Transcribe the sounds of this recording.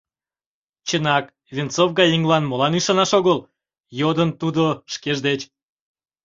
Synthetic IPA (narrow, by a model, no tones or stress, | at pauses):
t͡ɕənɑk | vʲint͡sovɡɑjiŋlɑnmolɑnyʃɑnɑʃoɣəl | jod̪ənt̪ud̪oʃkeʒd̪et͡ʃ